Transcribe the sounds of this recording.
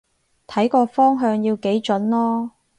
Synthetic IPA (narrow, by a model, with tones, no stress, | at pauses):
t̪ʰɐ˨˥jkɔː˧fɔː˥ŋɦœː˧ŋjiː˧wke˨˥jt͡ʃɵ˨˥nlɔː˥